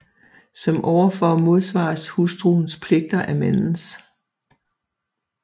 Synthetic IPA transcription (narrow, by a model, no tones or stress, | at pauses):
sɒ̽mʔɒʊɐfɒmo̝ð̞ˠsʋɑ̈ːshusd̥ʁuːn̩spʰle̝ɡ̥̚d̥ɐʔæmen̩s